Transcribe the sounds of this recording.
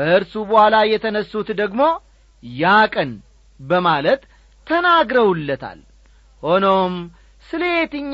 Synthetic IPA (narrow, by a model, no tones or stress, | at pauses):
bəʔɨɾsubəhʷalajɛt̪ʰənəsːut̪d̪əɡmo̞ | jakʼən | bəmalət̪ʰː | ənaɡɾəwulːət̪ʰa̰l | ho̞nom | sɨleet̪ɨɲː